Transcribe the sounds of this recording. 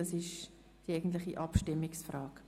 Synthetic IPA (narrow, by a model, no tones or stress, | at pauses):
ɑsɪʃ | d̥iɛɪɡən̩tlɪχiʔɑpʃtɪmːɪksfrɑːk